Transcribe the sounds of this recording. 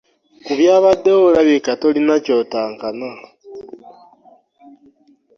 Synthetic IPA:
kuβjaːβadoolaβikatolinaco̞taːŋkana

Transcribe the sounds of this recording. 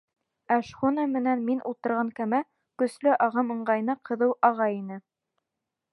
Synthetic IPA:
æʃχunɑmɘ̆nænminʔṵlˠt̪ɤ̆ɾʁɑŋkæmæ | kɵ̆slɘʔɑʁɤmɤ̆ɴɢɑjnɑqʰɤ̆ðɤwʔɑʁɑjinɘ

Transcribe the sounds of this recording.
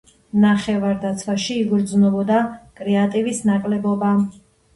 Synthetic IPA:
naχɛvaɾd̪at̪sʰwaʃiːɡɾd̪znɔbɔd̪akʼɾɛat̪ʼivisnakʼlɛbɔba

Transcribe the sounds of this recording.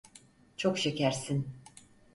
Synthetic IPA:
t͡ʃʰo̞kʃecæɾsin

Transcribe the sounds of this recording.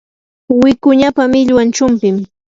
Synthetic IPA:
wɪkʊɲapamɪʎwant͡ʃʊmpɪm

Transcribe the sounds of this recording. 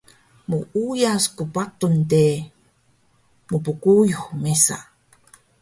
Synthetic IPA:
muʔujaskupatunte | mupukujuxmesa̰

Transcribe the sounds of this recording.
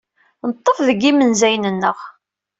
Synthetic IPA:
nət̪ˤːəfðəɡːimənzæjnənːəʁ

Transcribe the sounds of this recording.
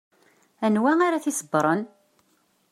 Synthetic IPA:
ænwæaɾaθisəbːɾˤən

